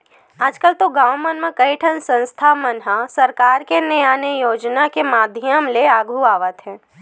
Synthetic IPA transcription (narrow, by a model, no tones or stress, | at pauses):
aːd͡ʒkəlt̪oɡãːwmənmə̃kəiʈʰənsə̃nst̪ʰamənɦasəɾkaːɾkenejaːnejoːd͡ʒnakemaːd̪ʱjəmleaːɡʱuaːʋət̪ɦɛ̃ː